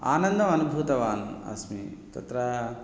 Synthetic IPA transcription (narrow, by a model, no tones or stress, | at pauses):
a̰ːnɐnd̪ɐmɐnubʱut̪ɐʋaːnɐ̰smḭt̪ɐt̪ɾɐ